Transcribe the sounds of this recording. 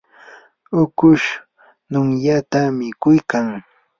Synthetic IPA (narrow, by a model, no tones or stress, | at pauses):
ʊkʊʃ | nʊŋjat̪amɪkʊjkaŋ